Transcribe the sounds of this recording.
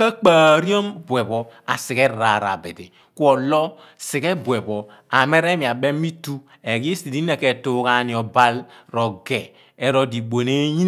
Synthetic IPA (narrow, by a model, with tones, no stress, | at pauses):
ka˦k͡paː˨ɾi˦o˦mbwe˨bɔ˨a̰˨si˨kɛ˦ɾa˨ɾa̰˨be˨te˨ | ku˦ɔ˨lɔ˦ | si˨kɛ˦bwe˨bɔ˨ | a˨me˦ɾe˦mi˨a˨be˦mi˦tu˦ | e˨ɡi˦si˨di˦ne˦˨ke˨tu˦ka˨ni˨ɔ˨ba˦lɾɔ˨ɡɛː˨ | ɾo˦di˨ɡ͡bo˨ne˦ɲi˦